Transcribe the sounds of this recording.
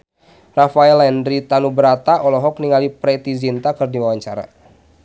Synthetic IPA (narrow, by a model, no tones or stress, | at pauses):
rafaɛlɛnɾit̪anubəɾat̪aʔɔlɔɦɔk̚niŋalipɾɛt̪izint̪akɨrdiwawaɲt͡ʃaɾa̰